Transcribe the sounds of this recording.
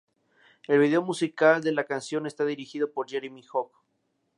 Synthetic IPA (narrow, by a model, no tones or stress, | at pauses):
e̞lβiðe̞omusikald̪e̞lakansjo̞ne̞st̪aðiɾixið̞o̞po̞ɾʝeɾemixok